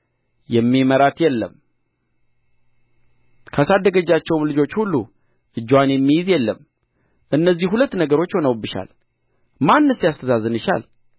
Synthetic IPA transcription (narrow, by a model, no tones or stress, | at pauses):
jɛmːiməɾat̪jɛlːə̰m | kʰasad̪əɡəd͡ʒat͡ʃːɛwmlɨd͡ʒo̞t͡ʃːhulːu | ʔɨd͡ʒːwanjɛmːijɪzjɛlːəm | ʔɨnːəzːihhulət̪ːnəɡəɾo̞t͡ʃːho̞nəwbɨʃa̰l | manːəsijast̪ʰəzazɨnɨʃa̰l